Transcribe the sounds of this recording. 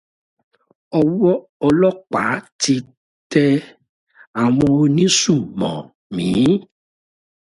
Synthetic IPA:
ɔ˧wɔ˦ | ɔ˧lɔ˦k͡pa̰˨˦ti˧ | tɛ˧ | a˨w̃ɔ̃˧o˧nĩ˦su˦˨mɔ̰̃˨ | mĩː˨˦

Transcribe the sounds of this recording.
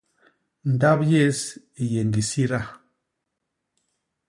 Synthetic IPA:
n̩˨da˦pje˦s | i˨je˨n˨di˨si˦ɾa˦˨

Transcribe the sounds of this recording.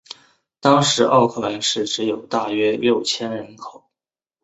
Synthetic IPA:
t̪ɑ˥ŋʂɻ̩˧˥ʔɑ˥˧ʊkʰɤ˥˩la˧˥nʂɻ̩˥˩ʈ͡ʂɻ̩˧˥jo˨˩ʊt̪a˥˩ɥɛ˥ljo˥˩ʊt͡ɕʰjɛ˥nɻə˧˥nkʰo˨˩˦ʊ

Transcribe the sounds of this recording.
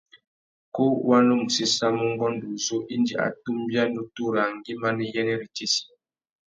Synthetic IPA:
ko˦wa˦no˦mu˨si˦sa˦mu˦ŋ˦ɡɔ˦ndu˨zo˦ʔi˦ndi˦a̰˨tu˦mbja˦ndu˦tu˦ɾa˨ŋ˨ɡi˦ma˦nɛ˨jɛ˦nɛ˦ɾi˨ti˦si̥˦

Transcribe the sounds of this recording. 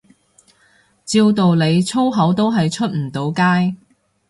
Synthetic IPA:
t͡siː˧wt̪o˨wle˨˧jt͡sʰo˥wɦɐ˨˥wt̪o˥wɦɐ˨jt͡ʃʰɵ˥t̚m̩˨˩t̪o˨˧wkaː˥j

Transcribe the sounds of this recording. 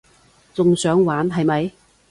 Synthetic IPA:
t͡sʊ˨ŋsœː˨˥ŋwaː˨˥nɦɐ˨jmɐ˨˧j

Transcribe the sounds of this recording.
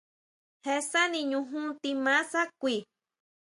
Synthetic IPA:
he˧sa˦nĩ˧ɲũ˧ɦũ˦t̪i˧mã˦sa˦kʷi˨

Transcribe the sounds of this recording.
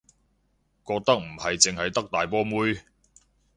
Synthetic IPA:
kɔː˧k̚t̪ɐ˥k̚m̩˨˩hɐ˨jt͡sɪ˨ŋhɐ˨jt̪ɐ˥k̚t̪aː˨jpɔː˥muː˥j

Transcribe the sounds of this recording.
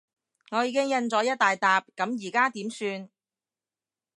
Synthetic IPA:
ŋɔː˨˧jiː˨˧kɪ˥ŋjɐ˧nt͡sɔː˨˥jɐ˥t̚t̪aː˨jt̪aː˨p̚kɐ˨˥mjiː˨˩kaː˥t̪iː˨˥msyː˧n

